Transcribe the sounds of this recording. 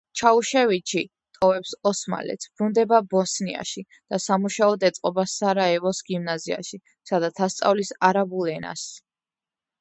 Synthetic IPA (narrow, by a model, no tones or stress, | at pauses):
t͡ʃʰauʃɛvit͡ʃʰi | t̪ʼɔvɛpsɔsma̰lɛ̰t̪sʰb̥ɾund̪ɛbabɔsnia̰ʃi | d̪̥asamuʃaɔd̪ɛt̪sʼqʼɔbasaɾaɛvɔsɡimnazia̰ʃi | sad̪at̪ʰast̪sʼa̰vlisaɾabulɛna̰s